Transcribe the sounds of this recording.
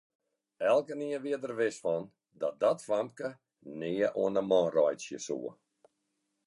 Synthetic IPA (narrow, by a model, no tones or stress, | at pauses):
ɛlˠkəniəʋiədərʋɪsfɔn | dɔdɔtfampkə | neːəʔoənəmɔːrɔjtsjəsṵə